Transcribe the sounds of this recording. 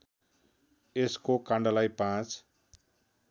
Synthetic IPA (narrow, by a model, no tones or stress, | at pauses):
eskokãɳɖʌlajpãt͡s